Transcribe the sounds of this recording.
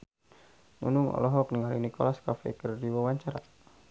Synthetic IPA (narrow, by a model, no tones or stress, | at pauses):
nṵnuŋɔ̰lɔɦɔkniŋaliŋnikɔ̰laskafɛ̰kərdiwawaɲt͡ʃaɾa̰